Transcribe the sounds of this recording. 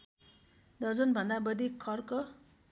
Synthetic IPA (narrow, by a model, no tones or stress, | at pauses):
d̪ʌrd͡zʌnbʱʌnd̪abʌd̪ikʰːʌrkʌ